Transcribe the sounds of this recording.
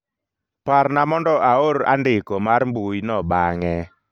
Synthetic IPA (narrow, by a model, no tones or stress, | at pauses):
parnamɔndɔʔaoɾa̰ndɪkomarmbujnɔbaŋɛ